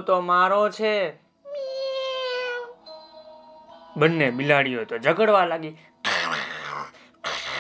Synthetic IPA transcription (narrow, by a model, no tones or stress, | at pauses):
t̪omaɾõt͡ʃʰe | mi | bənːebilaɽiɦojt̪od͡ʒəɡəɽʋalaɡi